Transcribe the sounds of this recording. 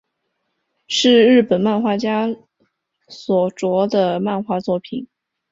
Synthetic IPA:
ʂɻ̩˥˧ɻɻ̩˥˩pə˨˩nma˥˧nxwa˥˩t͡ɕja˥ | swɔ˨˩ʈ͡ʂwɔ˧˥d̪ə˧ma˥˧nxwa˥˧t͡swɔ˥˩pʰi˨˩˦n

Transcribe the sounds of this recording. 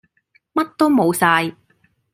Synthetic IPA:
mɐ˥t̚t̪o˥wmo˨˧wsaː˧j

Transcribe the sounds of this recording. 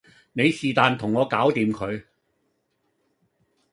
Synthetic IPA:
ne˨˧jsiː˨t̪aː˨˧nt̪ʰʊ˨˩ŋːɔː˨˧kaː˨˥wt̪iː˨˧mkʰɵ˨˧ɥ

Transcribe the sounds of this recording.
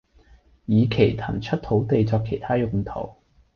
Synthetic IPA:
jiː˨˧kʰe˨˩jt̪ʰɐ˨˩nt͡ʃʰɵ˥t̚t̪ʰo˨˥wt̪e˨jt͡sɔː˧kʰːe˨˩jt̪ʰaː˥jʊ˨˧ŋt̪ʰo̰˨˩w

